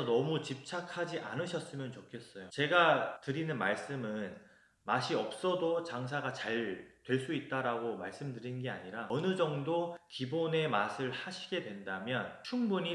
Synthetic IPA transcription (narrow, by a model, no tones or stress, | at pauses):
ʌnʌmut͡ɕip̚t͡ɕʰakʰad͡ʑiʔa̰nɯɕʰʌs͈ɯmjʌnt͡ɕokʰe̞s͈ʌjot͡ɕe̞ɡatɯɾinɯnmaɭs͈ɯmɯn | maɕʰiʌp̚s͈ʌdot͡ɕaŋs̬ʰaɡat͡ɕaɭtwe̞ɭs͈uit̚t͈aɾaɡomaɭs͈ɯmdɯɾinnɡe̞a̰ɲiɾaʌnɯd͡ʑʌŋdokibone̞masʰɯɭhaɕʰiɡe̞dwe̞ndamjʌnt͡ɕʰuŋbuɲi